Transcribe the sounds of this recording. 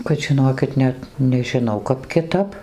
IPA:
kɐt ʒʲɪˈnoːkʲɪt ˈnʲɛt nʲɛʒʲɪˈnɐʊ ˈkɐp kʲɪˈtɐp

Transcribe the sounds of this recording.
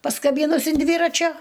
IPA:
pɐskɐˈbʲiːnʊs ɪn ˈdʲʋʲiːrɐt͡ʃʲoː

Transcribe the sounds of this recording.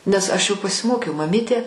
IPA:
nʲɛs ˈɐʃ jɛʊ pɐsʲɪˈmoːkʲɛʊ mɐˈmʲiːtʲeː

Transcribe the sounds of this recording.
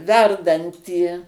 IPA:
ˈʋʲɛrdɐnʲtʲiː

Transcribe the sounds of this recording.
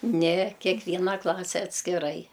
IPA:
nʲɛ kʲɛkˈʋʲiːnɐ ˈklˠɑːsʲɛ ɐtʲsʲkʲɪˈrɐɪ

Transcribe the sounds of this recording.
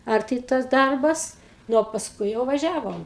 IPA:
ɐrʲˈtʲɪ tɐs ˈdɐrbɐs ˈnʊ oː pɐsˈkʊɪ jɛʊ ʋɐˈʒʲæːʋoːm

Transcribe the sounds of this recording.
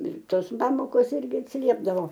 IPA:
ɪr ˈtoːs ˈpɑːmoːkoːs ˈɪrʲɡʲɪ ɐtʲsʲɪˈlʲiɛbdɐʋoː

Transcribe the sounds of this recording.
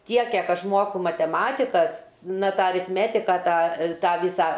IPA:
ˈtʲiɛk ˈkʲiɛk ˈɐʃ ˈmuɔkʊ mɐtʲɛˈmɑːtʲɪkɐs ˈnɐ ˈtɑː ɐrʲɪtʲˈmʲæːtʲɪkɐ ˈtɑː ˈtɑː ˈʋʲiːsɑː

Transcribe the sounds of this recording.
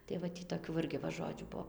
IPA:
tɐɪ ʋɐ ˈtʲiː toːˈkʲuː ʋɐ ˈɪrʲɡʲɪ ʋɐ ˈʒoːd͡ʒʲuː ˈbuɔ

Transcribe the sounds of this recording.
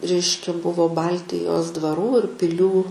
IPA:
ˈrʲɛɪʃʲkʲɛ ˈbʊʋoː ˈbɐlʲtʲɪjoːs dʋɐˈruː ɪr pʲɪlʲˈuː

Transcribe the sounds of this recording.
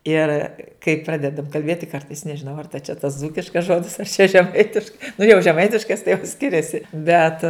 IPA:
ˈɪr kɐɪ ˈprɑːdʲɛdɐm kɐlʲˈbʲeːtʲɪ ˈkɐrtɐɪs nʲɛʒʲɪˈnɐʊ ɐr tɐ t͡ʃʲɛ tɐs ˈd͡zuːkʲɪʃkɐs ˈʒoːdʲɪs ɐr t͡ʃʲɛ ʒʲɛˈmɐɪtʲɪʃkɐɪ nʊ jɛʊ ʒʲɛˈmɐɪtʲɪʃkɐs tɐɪ jɛʊ ˈsʲkʲɪrʲɛsʲɪ bʲɛt

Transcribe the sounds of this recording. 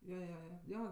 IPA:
joː joː ˈjoː ˈjoː

